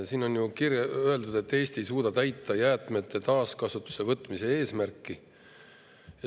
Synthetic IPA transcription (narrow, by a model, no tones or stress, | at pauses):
siːno̞njukirøe̞ld̪ud̪̥e̞t̪ːe̞ːst̪e̞js̬uːd̪ɑt̪æjt̪ːˑɑjæːt̪met̪ˑːe̞t̪ɑːskɑsut̪ːˑu̥se̞vɤt̪ːˑmise̞e̞ːsmærkˑːi | j